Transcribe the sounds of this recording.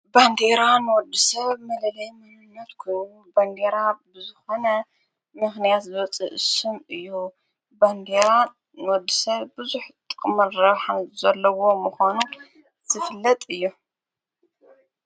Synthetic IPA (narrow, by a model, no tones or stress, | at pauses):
band̪eɾanɨwɔd̪ːisɐβmɐlɐlɐjmɐnɨnːɐt̪kʰɨuband̪eɾabɨzɨxo̞nɐ | mɨxnijat̪zɨβɐt͡sʼɨʔɨsɨmɨjːu | band̪eɾa | nɨwɔd̪ːisɐβbɨzuħt̪ʼɨkʼmɨɾɐβħazɐlːɐwo̞mɨxʷanu | z̥ɨfɨlːɐt̪ʼɨjːu